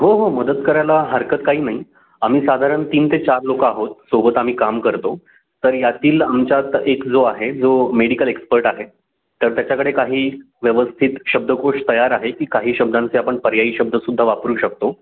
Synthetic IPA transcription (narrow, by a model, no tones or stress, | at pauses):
ɦoɦoməd̪ət̪kəɾajlaɦəɾkət̪kaɦiːnaɦi | am̤iːsad̪ʱaɾəɳt̪iːnt̪ʰet͡ɕaɾlokaːɦot̪̚sobət̪am̤iːkamkəɾt̪o | t̪əɾjat̪iːlamt͡ɕjat̪ekd͡zoaɦed͡zomeɽikəlekspəɾʈaɦe | t̪əɾt̪jat͡ɕakəɽekaɦiː | ʋjəʋəst̪ʰit̪ɕəb̚d̪ʱəkoʂʈt̪əjaɾaɦekiːkaɦiːɕəb̚d̪ãnt͡seapəɳpəɾjaiːɕəb̚d̪ʱəsud̪ʱːaʋapɾuːɕək̚t̪o